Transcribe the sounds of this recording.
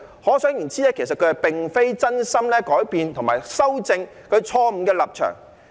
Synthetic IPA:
hɔː˨˥sœː˨˥ŋjiː˨˩nt͡siː˥lɛː˥kʰe˨˩sɐ˨t̚kʰɵ˧hɐ˨˩jpɪ˨˩ŋfe˥jt͡sɐ˥nsɐ˥mlɛː˥kɔː˨˥jpiː˨˧nt̪ʰʊ˨˩ŋmaː˨˩jsɐ˥wt͡sɪ˧ŋ | kʰɵ˨˧ɥt͡ʃʰɔː˧m̩˨˩kɛː˧lɐ˨p̚t͡ʃʰœ̰ː˨˩ŋ

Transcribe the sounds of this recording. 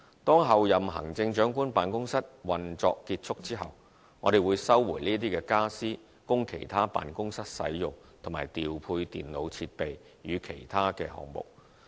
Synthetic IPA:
t̪ɔː˥ŋɦɐ˨wjɐ˨mɦɐ̰˨˩ŋt͡sɪ˧ŋt͡ʃœː˨˥ŋkuː˥npaː˨nkʊ˥ŋsɐ˥t̚wɐ˨nt͡sɔ̰ː˧kːiː˧t̚t͡ʃʰʊ˥k̚t͡siː˥ɦɐ˨w | ŋɔː˨˧d̪e˨jwuː˨˧jsɐ˥wːuː˨˩nliː˥t̪̬iː˥kɛː˧kaː˥siː˥ | kʊ˥ŋkʰe˨˩jt̪ʰaː˥pa̰ː˨nkʊ˥ŋsɐ˥t̚sɐ̰˨˥jːʊ˨ŋ | t̪ʰʊ˨˩maː˨˩jt̪iː˨wpʰuː˧jt̪ḭː˨nlo˨˧wt͡sʰi˧t̚pe˨j | jyː˨˧kʰe˨˩jt̪ʰaː˥kɛ̰ː˧hɔ̰ː˨˧ŋmʊ̰˨˩k̚

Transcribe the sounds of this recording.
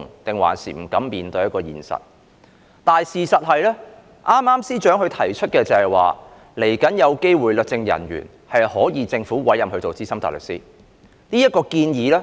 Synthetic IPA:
ŋt̪ɪ˨ŋwa̰ː˨˩nsḭː˨˩m̩˨˩kɐ˨˥mːiː˨nt̪ɵ˧jɐ˥t̚kɔː˧jḭː˨˩nsɐ̰˨t̚ | t̪aː˨nsiː˨sɐ˨t̚ɦɐ˨jlɛː˥ | ʔaː˥mːaː˥msiː˥t͡ʃœː˨˥ŋhɵ˧t̪ʰɐ˨˩jt͡ʃʰɵ˥t̚kɛː˧t͡sɐ˨˧hɐ˨jwa̰ː˨ | le˨˩jkɐ˨˥njɐ˨˧wke˥jwuː˨˩jlɵ˨k̚t͡sɪ˧ŋjɐ̰˨˩njy̰ː˨˩n | hɐ˨jhɔː˨˥jiː˨˧t͡sɪ˧ŋfuː˨˥wɐ˨˥jɐ˨mhɵ˧ɥt̪o˨wt͡siː˥sɐ˥mt̪a̰ː˨jlɵ̰˨k̚sḭː˥ | niː˥jɐ˥t̚kɔː˧kiː˧njiː˨˥lɛː˥

